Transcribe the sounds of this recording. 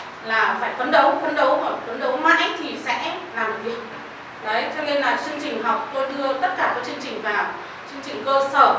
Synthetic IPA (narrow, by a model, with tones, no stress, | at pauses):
laː˨˩faː˧˩jkə˨˦nɗə˨˦wfə˨˦nɗə˨˦wɦɔ˨˩kə˨˦nɗə˨˦wma̰ː˧˨˥jt̪ʰi˨˩sɛ̰˧˥laː˨˩m˨˩vi˨˩ək̚ | zə˨˦t̪ʰɛ˧wne˧nlaː˨˩t͡ɕɨ˧əŋt͡ɕï˨˩ŋ̟ɦɔ˨˩wk͡p̚t̪o˧jt̪ɨ˧ət̪ə˦˥t̚kaː˧˩kaː˨˦˥k̚t͡ɕɨ˧əŋt͡ɕï˨˩ŋ̟vaː˨˩ | t͡ɕɨ˧əŋt͡ɕï˨˩ŋ̟kəː˧sə̰ː˧˩